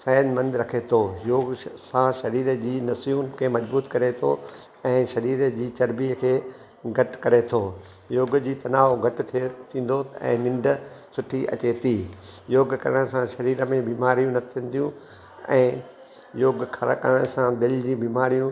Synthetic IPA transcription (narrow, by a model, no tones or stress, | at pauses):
sɛːnmɐ̃nd̪ɾɐkʰet̪ʰojoːɡsãʃɐɾiːɾəd͡ʑiːnɐsijũnkʰeːmɐd͡ʑbuːt̪kɐɾet̪ʰo̰ | ɛ̃ːʃɐɾiːɾəd͡ʑiːt͡ɕɐɾbiɦəkʰeː | ɡʱɐʈkɐɾet̪ʰoː | joːɡd͡ʑiːt̪ɐnaːʋoɡʱɐʈɪt̪ʰet̪ʰĩːn̆d̪oɛ̰̃ːnɪ̃ɳɖə̆sʊʈʰiʔɐ̰t͡ɕet̪iːjoːɡkɐ̰ɾəɽ̃sãʃɐɾiːɾə̆mẽbiːmaːɾijũnɐt̪ʰiə̃n̆d̪ijũ | ɛ̃ː | joːɡkʰɐ̰kə̰ɾəɽ̃sãd̪ɪld͡ʑĩbiːmaːɾijũ